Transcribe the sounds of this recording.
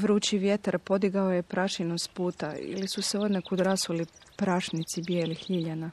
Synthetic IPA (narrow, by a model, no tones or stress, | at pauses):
ʋɾuːt͡ʃiʋjet̪aɾpo̞d̪iɡaoje̞pɾʔaʃinost̪puːt̪aḭlisuseo̞d̪nekud̪ɾasulipɾaʃnit̪sibjeːlixʎiʎana